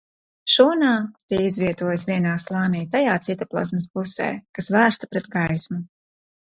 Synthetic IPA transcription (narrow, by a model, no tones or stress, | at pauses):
ʃuɔnaːt̪iːizvʲiɛt̪uɔjasvʲiɛnaːslˠɑːnijt̪ajaːt̪sit̪aplˠɔ̰zmɨspusɛ̰ːkasvæːst̪apɾɛt̪̚ɡajsmu